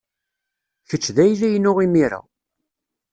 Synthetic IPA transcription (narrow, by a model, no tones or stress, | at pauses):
çət͡ʃːðæjlæjnːʊʁimiɾæ̰